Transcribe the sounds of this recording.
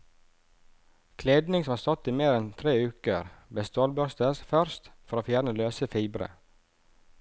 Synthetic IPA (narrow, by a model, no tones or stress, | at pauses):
kʰleːd̪nɪŋsɔmɑːɾst̪ɔt̪iːmeːɾɛnt̪ʰɾeːʉːkəɾbɛst̪oːlbœst̪əsfœɾst̪fɔɾoːfjæːɾɳəløːsəfiːbɾə̰